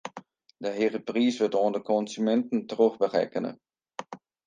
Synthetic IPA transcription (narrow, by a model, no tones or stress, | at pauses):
dəɦerəpriːsʋɪtoːndəkɔnzymɛntən̩tərøχbərɛ̰kənə̰